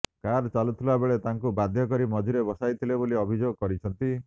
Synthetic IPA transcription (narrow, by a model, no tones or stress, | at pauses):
kaɾt͡ʃalut̪ʰilabeɭet̪aŋkubad̪ʱjɔkɔɾimɔd͡ʒuɾebɔsajt̪ʰileboliɔbʱid͡ʒoɡɔkɔɾit͡ʃʰɔnt̪i